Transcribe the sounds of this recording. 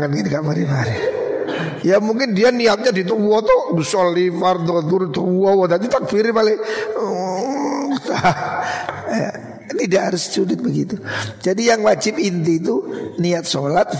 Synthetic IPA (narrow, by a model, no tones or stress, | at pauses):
ŋanɡitikaʔmaɾimaɾi | jamuŋkɪndianiat̪̚ɲadit̪əɔt̪ɔɡusɔlːifard̪ɔt̪uɾit̪əɔwɔd̪at̪it̪ak̚fiɾɪmalɛ | t̪a | ja̰ | inidaɦaɾʊst͡ʃudɪt̪̚bəɡit̪ud͡ʒadijaŋwad͡ʒɪpint̪iːt̪̬uniat̪̚solat̪̚